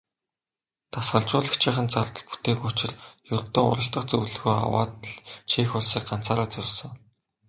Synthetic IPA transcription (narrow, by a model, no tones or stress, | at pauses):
t̪ʰasχə̆ɮt͡ɕʊːɮə̆xt͡ɕʰiːχə̆nt͡sart̪ə̆ɮpu̥t̪eːkʊt͡ɕɪ̆rjʊrt̪ə̆ŋʊ̰ɾə̆ɬt̪ə̆χt͡sɵwɮɘ̆ɣuːja̰wa̰ːt̪əɮt͡ɕʰiːxʊɮsiːk̚ɢan̥t͡saːɾaːt͡sɵrsɞ̆ŋ